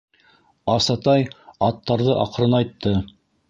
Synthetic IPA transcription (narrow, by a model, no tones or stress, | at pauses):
ɑsɑt̪ɑjɑt̪ːɑɾðɤʔɑ̰qɾɤnɑjt̪ːɤ